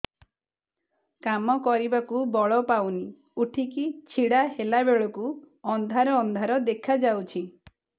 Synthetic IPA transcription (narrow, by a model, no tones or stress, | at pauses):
kamɔkɔɾibakubɔɭɔpawni | uʈʰikit͡ʃʰiɽahelabeɭɔku | ɔnd̪ʱaɾɔːnd̪ʱaɾɔd̪ekʰad͡ʒawt͡ʃʰi